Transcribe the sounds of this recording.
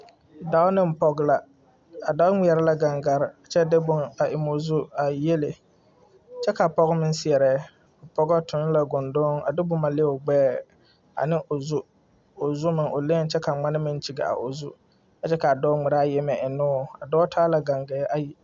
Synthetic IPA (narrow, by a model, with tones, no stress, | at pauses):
da˦ʊ˦nɪ˦m̩˨pɔ˦ɡla˨ | a˨da˦ʊ˦ŋ͡mɪ˨ɛ˨ɾɪ˦la˦ɡa˨ŋɡa˨ɾɪ˨a˨t͡ʃɛ˦dɪ˦bʊ˦ŋa˨ʔɪ˨mo˨zu˦a˨je˦lɪ˨ | t͡ʃɛ˦ka˨pɔ˦ɣɪ˦mɪ˦nsɪ˨ɛ˨ɾɛː˨˦˨ | pɔ˦ɡɔ˦tʰʊ˨n˦la˨ɡʊ˨ndʊː˦ŋa̰˨dɪ˦bʊ˦ma˨lɪ˦˨ʊ˨ɡ͡bɛː˦ | a̰˨nɪ˦ʔo˨zʊ˦ | o˨zʊ˦mɪ˨ŋʔo˨le˦n˦t͡ʃɛ˦ka˨ŋ͡ma˦nɪ˦mɪ˦n˦t͡ʃi˨ɡa̰˨a̰˨ʔo˨zu˦ | a˨t͡ʃɛ˦ka˨a˨dɔː˦ŋ͡mɪ˨ɾa˦jɛ˦mɛ˨ʔɪ˨nʊː˦a˨dɔ˦tʰaː˦la˨ɡa˨ŋɡɛː˨˦ʔa˦ji˨